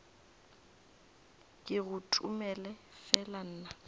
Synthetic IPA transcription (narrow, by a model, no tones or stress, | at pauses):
kʼɪɣʊtʼumɛlɛfɛlan̩ːna